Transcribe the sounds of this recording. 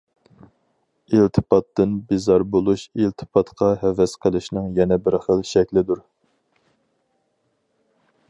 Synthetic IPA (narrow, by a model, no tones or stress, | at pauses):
ilt̪ʰɨ̥pɑt̪ːɨnbizɑɾbolˠuʃilt̪ʰɨ̥pʰɑt̪qʰɑɦɛvɛsqʰəlˠɨʃnɨŋjɛnɛbɪɾχəlʃɛkʲlɪd̪uɾ